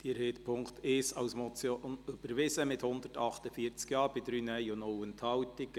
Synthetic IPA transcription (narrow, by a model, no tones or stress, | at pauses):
d̥iɾheːt̪pʰʊŋkt̪ɪsɑwsmɔt͡sjonyb̥əɾʋɪsəmɪthʊnd̪ərtɑχt̪əfiːəɾt͡skjɑːɾb̥ɪd̥ɾyːnœjonowənthɑwtɪk